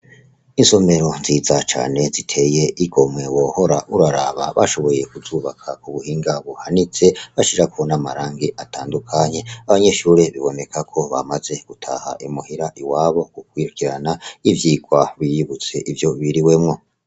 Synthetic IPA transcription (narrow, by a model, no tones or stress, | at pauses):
inso̞me̞ɾo̞nziːzat͡ʃa̰ːne̞zitʰe̞je̞ʔiɡo̞mŋe̞wo̞ho̞ɾaʔuɾaɾa̰βaβa̰ʃo̞βo̞je̞kuzuːβakʰakuβuhiːŋɡaβuhanit͡se̞βaʃiɾakuonamaɾaːŋɡeʔatʰaːndukʰaɲe̞aβaɲe̞ʃuːɾeβiβo̞ne̞kʰakʰo̞βa̰maze̞ɡ̥utʰa̰ha̰ʔimuhiɾaʔiwaːβo̞kuk̚wiːɾukiɾanaivjiːɡwaβijiβut͡se̞ʔivjo̞βiɾiwe̞mŋo̞